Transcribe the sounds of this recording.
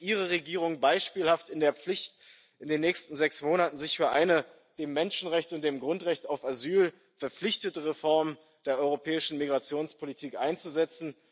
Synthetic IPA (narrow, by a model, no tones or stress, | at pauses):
ʔiːʁ̞əʁeɡiːʁ̞ʊŋbaɪʃpiːlhaftɪndeːɐp͡flɪçt | ʔɪndeːnːɛːçstn̩zɛksmoːnatn̩zɪçfyːɐʔa̰ɪnə | d̥eːmːɛnʃn̩ʁɛçtʊntd̥eːmɡʁʊntʁɛçtaʊfazyːl | fɛɐp͡flɪçtətəʁefɔɐm | d̥eːɐʔɔʏʁopʰɛːɪʃn̩miɡʁat͡sjoːnspʰolitʰiːkʔa̰ɪnt͡suzɛt͡sn̩